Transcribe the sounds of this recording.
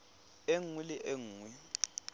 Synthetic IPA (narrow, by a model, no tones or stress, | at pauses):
eŋwilɪʔeŋ̩ːwi